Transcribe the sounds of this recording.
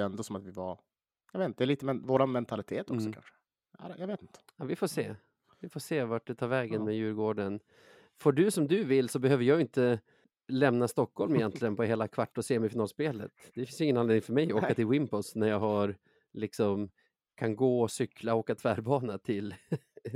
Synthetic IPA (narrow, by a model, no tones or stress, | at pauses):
ɛnd̪osɔmat̪vɪva | jɑveːt̪nt̪ədɛliːt̪əmɛvoːɾanmɛnt̪ʰalɪt̪ʰeːt̪ɔksɔkʰa̰nʂə̥ | a̰ɾjaveːt̪ɪnt̪ə̥avɪfoːsḛː | vɪfoːʂeːvaʈ̚ɖ̪ɛt̪ʰɑːɾvɛːɡənmɛjʉ̟ːɾɡoːɖən | fɔɖɵsɔmd̪ɵvɪlːsɔbɛhøːvəɾjɑːɡɪnt̪ə | lɛmnast̪ɔkʰːɔlmɪjjɛnt̪lɪɡənpʰɔɦeːlakʰvaʈːɔseːmɪfɪnɑːlspeːlə̰t̪d̪̥ɛfɪnsjʏɪŋənaneːnɪŋfœɾmɛjoːkat̪ʰɪlwɪmpɔsnæɾjɑːɡɦaɾ | lɪksɔm | kʰanɡoːɔsʏkʰːlaoːkat̪ʰvæːɾbɑːnat̪ʰɪl